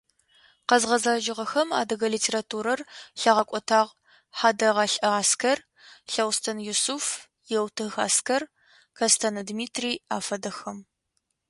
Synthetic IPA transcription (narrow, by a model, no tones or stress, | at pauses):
qɐzʁɐzaːʒɪʁɐxɐma̰ːdɐɣɐlitʰeːɾatʰuːɾɐrɬɐʁɐkʷʼɔtʰaːʁ | ħaːdɐʁɑɬʼɐaːskʰɐr | ɬɐwstʰɐnjusuf | jɛwtʰɨxa̰ːskʰɐr | kʰɐstʰɐnɐdmiːtʰriːaːfɐdɐxɐm